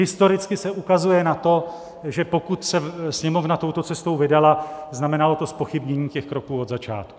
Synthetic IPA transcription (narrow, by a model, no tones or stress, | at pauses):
ɦɪst̪o̞ɾɪt͡skɪsɛʔukazujɛnat̪o̞ | ʒɛpo̞kut̪sɛsɲɛmo̞vnat̪o̞wt̪o̞t͡sɛst̪o̞wvɪdalaznamɛnalo̞t̪o̞spo̞xɪbɲɛɲiːcɛxkɾo̞kuːo̞d̪zat͡ʃa̰ːt̪̚ku̥